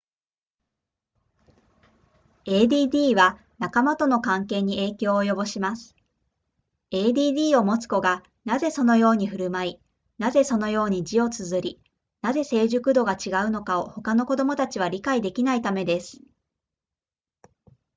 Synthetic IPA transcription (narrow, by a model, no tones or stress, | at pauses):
e̞ːd̪ʲiːd̪ʲiːβa | nakamat̪o̞no̞kãŋke̞ːɲ̟ie̞ːkʲo̞ːjo̞bo̞ɕimasɨ̥ | e̞ːd̪ʲiːd̪ʲiːo̞mo̞t͡sɨ̥ko̞ɡa | naze̞so̞no̞jo̞ːɲ̟iɸɯ̟ɾɯ̟mai | naze̞so̞no̞jo̞ːɲ̟id͡ʑio̞t͡sɨzɨɾʲi | naze̞se̞ːʑɨkɯ̟d̪o̞ɡat͡ɕiɡaɯ̟no̞kao̞ho̞kano̞ko̞d̪omo̞t̪at͡ɕiβ̞aɾʲikaid̪e̞kʲinait̪ame̞d̪e̞sɨ̥